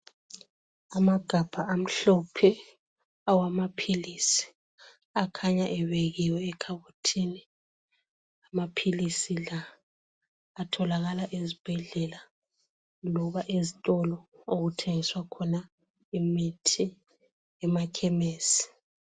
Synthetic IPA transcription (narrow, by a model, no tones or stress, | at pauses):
amaɡ̥ʱab̥ʱaʔam̩ɬɔpʰɛ | awamapʰilisi̥ | akʰaɲaʔɛβeɣiwɛːkʰaβutʰiːni | amapʰilisila | tʰɔlaɣalaʔezib̥ʱɛɮɛla | lɔβaʔezitʼɔlɔoɣutʰeŋiswakʰɔna | imitʰi | ɛmakʰɛmeːsi̥